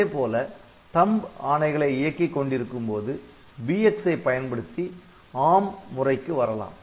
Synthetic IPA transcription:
eːpoːlɐ | t̪ɐmbaːɳɐɪɣɐɭɐɪɪjɐkːikːɔɳɖɪɾɯkːɯmpoːðɯ | biɛksɐɪpːɐjɐnpɐɽɯt̪ːi | aːmmʊrɐɪkːɯʋɐɾɐla̰ːm

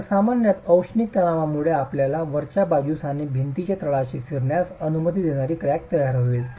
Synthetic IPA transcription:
samanjat̪əwʂnik̚t̪əlãʋamuɭeapljalaʋəɾt͡ɕabad͡ʑusanebʱint̪it͡ɕet̪ɾəɭaɕifiɾɳjasənumət̪id̪eɽ̃aɾiːkɾak̚t̪əjaɾɦoʋil

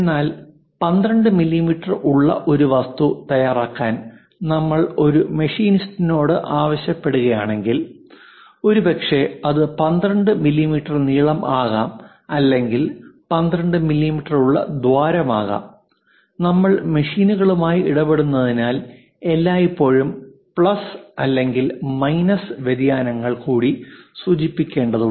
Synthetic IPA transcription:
enːaːl | pɐnd̪ɾɐɳɖɨmilːimiʈːɐrʔuɭːɐ̰ʔo̞ɾuʋɐst̪ut̪ɐjaːraːkːaːn | nɐmːɐɭo̞ɾumeʂiːnistːino̞ːɽɨʔaːʋɐɕjɐpːe̞ɽuɣɐjaːɳe̞ŋɡil | o̞ɾubɐkʂe̞ɐðɨpɐnd̪rɐɳɖɨmilːimiʈːɐrniːɭɐmʔaːɣaːm | ɐlːe̞ŋɡilpɐnd̪rɐɳɖɨmilːimiʈːɐruɭːɐ̰d̪ʋaːɾɐmaːɣa̰ːm | nɐmːɐɭmeʂiːnuɣɐɭumaːjiiɽɐbe̞ɽunːɐðinaːl | e̞lːaːjipːo̞ːɻumpɭɐsɐlːe̞ŋɡilmɐjnɐsʋed̪jaːnɐŋːɐɭkuːɽisuːt͡ɕipːikʲːe̞ːɳɖɐðu

